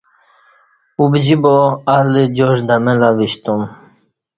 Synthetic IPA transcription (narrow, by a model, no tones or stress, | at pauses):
ubd͡ʑiboalid͡ʑoʐd̪amelaʋiɕt̪um